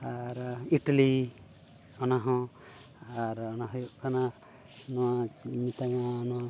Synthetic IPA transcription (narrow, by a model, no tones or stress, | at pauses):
aɾiʈali | ɔnaɦɔ̃ | aɾɔnaɦəjuʔkʰana | nɔwamit̪aŋanɔwa